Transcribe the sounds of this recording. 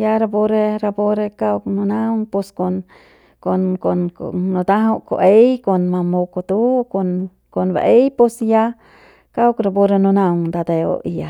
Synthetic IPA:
ja˦ɾa˧bo˦ɾe˦ɾa˧bo˦ɾe˧ka˦wknu˧na˦wŋpo˧sko˧n | ko˧nko˧nko̰no˧t̪a˦ɦo˦ʔko̰˨ʔe˦jko˧nma˧mo˧ko˧t̪u˦ko˧n | ko˧nba̰˨ʔe˦jpo˧sja˦ | ka˦wkɾa˧bo˧ɾe˧nu˧na˧wŋd̪a˧d̪e˧o̰˧i˨ja˨

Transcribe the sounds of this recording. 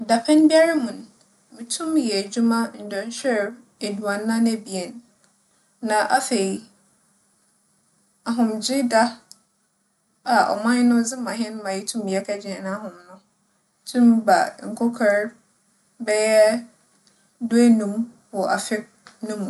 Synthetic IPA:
da˨pʰɛ̃˦nbi˦a˦ɾa˦mũ˨n˨ | mĩ˨tʰũ˦mjɛ˨d͡ʑu˦mã˦n̩˨dɔ̃˨n˦ɕᶣɛ˦ɾ | e˨du˨a˨nː˦ã˦n˦ɛ˦bi˨e˨n | nã˨ʔa˦fe˨i˨ | a˨ɦʊ̃˨md͡ʑɪ˦da˦ | a˨ɔ̰˨mã˦ɲ˦nʊ̃˦d͡zɪ˦mã˨ɦɪ̃˦n˦mã˨jɛ˦tʰũ˦m˨ɛ˦kʰa˦d͡ʑɪ˨ɛ˨nã˦ɦʊ̃˨mnʊ̃˦ | tʰũ˦mba̰˨ŋ̩˨kʰɔ˦kʰɔ˦ɾ | bɛ˦jɛ˦ | dʊ˦e˦nũ˦m | wɔ˨ʔa˨fɪ˦nʊ̃˦mũ˨

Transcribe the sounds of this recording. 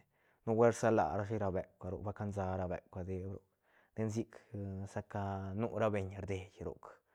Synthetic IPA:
nu˦we˦ɾsa˦la̰˨ɾa˦ʂi˦ɾa˧be˨kʷa˨ɾo̰˨ba˦ka˦nza˧ɾa˧bḛ˨kʷa˧d̪e˧bɾo˨ | d̪e˧nz̬i˦ksa˦ka˧nu˦ɾa˦be˧ɲɾd̪e˨jɾo̰˨k

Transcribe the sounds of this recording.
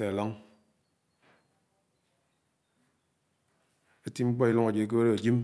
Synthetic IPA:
e˨a˨la˦ŋ | e˦ti˦ŋ͡m̩˦k͡pɔ˦i˦lo˦ŋa˨d͡ʒe˨i˦k̬e˦e˦ɾe˦a˨d͡ʒi˦m

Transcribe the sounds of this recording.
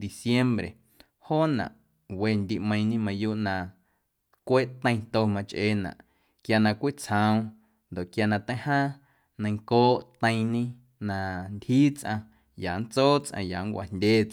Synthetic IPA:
d̪i˨sje˦mbɾe˨ | ho˦nã̰˨ʔ | we˧˨nd̪ʲi˧ʔmə̃˧j̃ɲĩ˦mã˧juː˦ʔnã˧ | kʷe˦ʔt̪ə̃˧j̃t̪o˧mã˧t͡ʃʔeː˧˨nã̰˨ʔ | kja˧nã˧kʷi˦t͡shã˧ũ˧ | nd̪o˨ʔkja˧nã˧t̪ə̃˦hã˦ | nə̃˧jŋkoː˦ʔt̪ə̃˧j̃ɲĩ˦ | nã˧nd̪ʲhiː˦t͡sʔã˧ | ja˨n˦t͡soː˦t͡sʔã̰˧ja̰˨ŋkʷa̰˨ndʲeː˦t͡s

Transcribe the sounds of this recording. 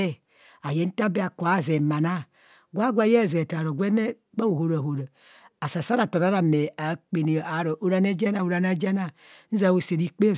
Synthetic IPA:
e˦ | a˨je˨˦n̩˦ta˦bi˦a˨ko˨a˦˨ze˨ma˨na˦ | ɡʷa˦ɡʷa˦je˦˨ze˨ta˨ɾo˨ɡʷe˦ne˦ | ba˦wo˨ho˦ɾa˨ho˨ɾa˨ | a˨sa˨sa˦ɾa˨to˨ɾa˦ɾa˨me˨a˨˦k͡pe˨ni˨a˨˦ɾo˨ʔo˦ɾa˦ne˦d͡ʒe˦na˨u˨ɾa˨na˦d͡ʒe˦na˦n̩˦za˨wo˨se˨ɾi˦k͡pe˦˨

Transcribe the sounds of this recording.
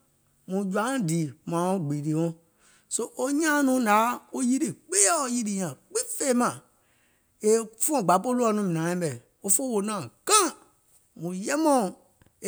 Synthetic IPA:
mũ˨d͡ʒã˨˦˨diː˨mã˨o˦ɡ͡bi˨ɾi˨wɔ̃˦ | so˦ʔo˦ɲã˦˨nũː˨˦daː˨˦o˦ji˦di˨k͡peː˦ɛ˦o˧ji˦di˧ɲã˨k͡pĩ˦fe˦mã˨ | e˨fũ˦ɔ̃˦˨ɡ͡ba˨˦po˦lu˦ɔ˧nũ˧˦mĩ˨nã˨˦ĩ˦bɛ˨ | o˦fo˦wo˧nã˦˨kã˦ | mũ˨jɛ˦mɔ̃˦˨

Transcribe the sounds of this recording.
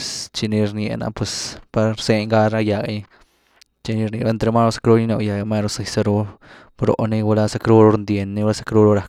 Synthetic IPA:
st͡ʃi˧ni˧ɾnjḛ˨na̰˧pwe˨spa˧ɾse˧ɲɡa˦ɾa˦ja˨ɡa̰˧ɲ˧ | t͡ʃi˧ni˧ɾni˨ba˦˧nt̪ɾe˧ma˦ɾo˧sḁ˧kɾu˦ni˧˦no˧ja˨ɡa˧ma˦ɾo˧sa˧jsa˧ɾo˧ | bɾo̰˧ʔni˧wa˧la˦sa˧kɾu˦ɾo˧ɾnd̪je˨nːi˧˦wa˦sḁ˧kɾu˦ɾo˧ɾa˧k̚

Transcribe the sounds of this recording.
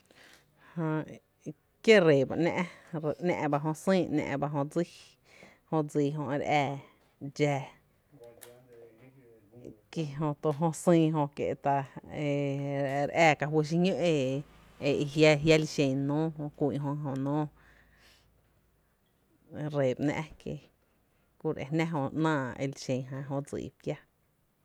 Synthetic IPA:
hõ˧ | kje˦ɾe˨ba̰˧ʔnʲɛ̰̃˧ʔnɛ̰̃ː˧ʔba˧ɦõ˧sĩː˦˧nã̰˧ʔba˧ɦõ˧d͡zi˦ | hõ˧d͡ziː˧˨ɦõ˧ʔe˧ɾʔɛː˧˨ | d͡ʒɛː˧ | ki˧ɦõ˧t̪o˧ɦõ˧sĩː˧ɦõ˧kḛ˧ʔt̪a˧e˧˨ɾɛː˧˨ka˧ɦwə˧ʃ̬i˧ɲõ˦ʔe˧˨ | e˧ʔi˧ɦja˦ɦja˦li˧ʃẽ˧˨nõː˦ɦõ˧kʷi˧˨ʔɦõ˧ɦõ˧nõː˦˧ | ɾe˨pnã̰˧ʔkḛ˧ | ku˧˨ɾʔḛ˨nɛ̃˦ɦõ˧˨ʔnãː˧˨ḛ˧li˧ʃẽ˨ɦã˧ɦõ˧d͡zḭː˨pja˦

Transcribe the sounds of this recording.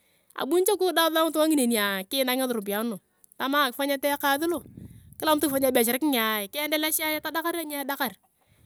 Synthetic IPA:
a̰˨bu˦nt͡ʃa˦kʊ˦da˦ða˦m˦tu˦wa˦ŋi˦ne˨ni˨a˨kɪ˦na˦ŋa˦ðʊ˨ɾu˨bi˨a˨˦no˨ | ta˨ma˦˨kɪ˨fa˦ɲa˦tɛ˦ka˨ðɪ˦lo˦˨kɪ˦la˦m˦tfa˨˦ɲa˦bɛ˨t͡ʃ̬ɪ˨ɾɪ˦kɪ˦ŋ˨a˨kɪ˦ndɛ˦la˦ʃa˦ja˦ta˦da˦ka˦ɾa˦ɲ˦a˦da˦ka˨ɾ

